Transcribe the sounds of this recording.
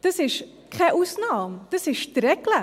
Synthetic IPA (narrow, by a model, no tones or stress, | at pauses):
d̥əsɪʃ | kʰɛʔusnɑːmd̥əsɪʃtɾɛklə